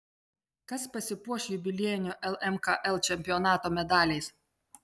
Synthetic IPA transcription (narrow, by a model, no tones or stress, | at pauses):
kɐspɐsʲɪpuɔʃʲjʊbʲɪlʲiɛjnʲʊʔɛlˠɛmkɑʔɛlˠt͡ʃʲɛmʲpʲɪjɔnɑːt̪oːmʲɛd̪ɑːlʲɛɪs